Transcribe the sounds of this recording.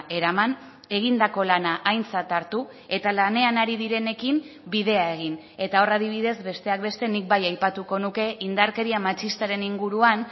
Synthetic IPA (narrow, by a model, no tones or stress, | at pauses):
ʔe̞ɾaman | e̞ɣ̞ind̪ako̞lanaʔajnt͡sat̪aɾt̪u | e̞t̪alane̞anaɾiðiɾe̞ne̞kim | biðe̞ae̞ɣ̞in | e̞t̪ao̞rað̞iβ̞iðe̞zbe̞st̪e̞ak̚be̞st̪e̞nik̚bajajpat̪uko̞nuke̞ʔind̪aɾke̞ɾiamat͡ʃist̪aɾe̞niŋɡuɾuan